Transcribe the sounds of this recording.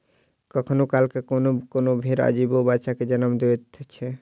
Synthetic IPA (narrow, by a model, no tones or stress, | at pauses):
kəkʰnokalkekonokonobʱeɾə̰d͡ʒibobaʃaked͡ʒənəmd̪et̪t͡ʃʰɛ